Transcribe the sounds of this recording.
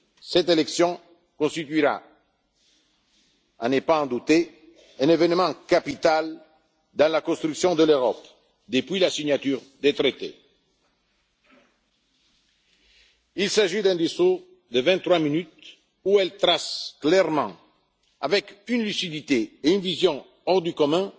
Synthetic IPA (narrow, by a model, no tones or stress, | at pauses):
sɛt̪elɛksjɔ̃ | kɔ̃st̪it̪ɥiʁa̰ | a̰nepaɑ̃d̪ut̪e | ɛ̃nevɛnmɑ̃kapit̪al | d̪ɑ̃lakɔ̃st̪ɾyksjɔ̃d̪əløʁɔp | d̪əpɥilasiɲat̪yʁ | d̪et̪ɾet̪ḛ | ilsaʒid̪ɛ̃d̪eso | d̪əvɛ̃nt̪ːχʁwaminyt̪ | uɛlt̪ʁasklɛʁmɑ̃ | avɛkynlysid̪it̪eːynvizjɔ̃ | ɔʁd̪ykɔmɛ̃